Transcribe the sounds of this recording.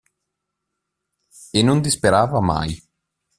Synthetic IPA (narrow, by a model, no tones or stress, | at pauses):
enːond̪ispeɾaːvama̰j